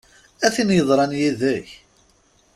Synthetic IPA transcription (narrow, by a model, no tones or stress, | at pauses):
æθinjəðˤɾˤɑnjiðæç